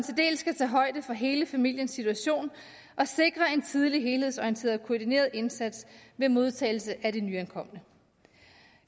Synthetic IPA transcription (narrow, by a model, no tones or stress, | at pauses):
nt͡sʰe̝ld̥e̝̰ːlsɡ̥æt͡sʰɛ̰ːɦɒ̽ɪ̰d̥əfɒ̽ɦe̝ːləfæmil̰jənsːit͡sʰuæɕo̝̰ːn | ʔɒ̽se̝ɡ̥ʁɐe̝nt͡sʰið̞ˠliɦe̝ːlhe̝ðˠsɒiənt͡sʰe̝̰ɐðˠkʰo̝ːd̥ine̝̰ːɐðˠe̝nsæd̥sʋe̝mo̝ð̞ˠt͡sʰɛ̰ːɪl̩səʔæd̥enyænkʰɒ̽m̰ənə